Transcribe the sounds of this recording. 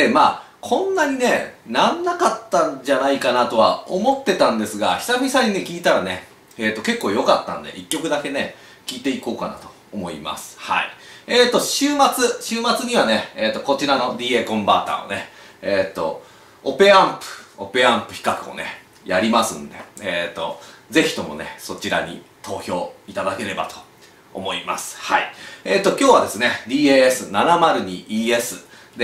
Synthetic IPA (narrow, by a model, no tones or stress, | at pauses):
demaː | kʰõ̞nːaɲ̟ine̞nãnːakat̪ːãɲd͡ʑanaikanat̪o̞βa̰omo̞t̪ːe̞t̪ãnd̪e̞sɨɡa̰çi̥t̪amʲisaɲ̟ine̞kʲiːt̪aɾane̞ | eːt̪ːoke̞kːo̞ːjo̞kat̪ːã̰nd̪e̞̰ʔikʲːo̞kɯ̟d̪ake̞ne̞ | kʲiːt̪e̞iko̞ːkana̰t̪o̥ | omo̞ḭma̰sɨ̥ha̰ḭeːt̪ːo̞ɕɨːmat͡sɨɕɨːmat͡sɨɲ̟iβane̞eːt̪ːo̞ko̞t͡ɕiɾano̞ɾʲie̞ːkõ̞mba̰ːt̪a̰ːo̰ne̞ | eːt̪ːo̞̰ | ope̞ãmpɯ̟̥o̞pe̞ãmpɯ̟̥çʲi̥kakɯ̟o̰ne̞ | jaɾʲimasɨ̃nd̪e̞̰eːt̪o̞̰ze̞çi̥t̪o̞mo̞̰ne̞so̞t͡ɕiɾaɲ̟ḭt̪ʰo̞ːço̞ːit̪ad̪ake̞ɾe̞bat̪ʰo̞̥ | o̰mo̞ima̰sɨ̥haieːt̪ːo̞kʲo̞ːβad̪e̞sɨne̞ɾʲiːeːesɨnanamaɾɯ̟ɲ̟iiːe̞sɨ | d̪e